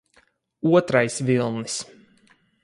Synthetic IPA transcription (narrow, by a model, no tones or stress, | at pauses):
uɔt̪ɾajsvilˠnis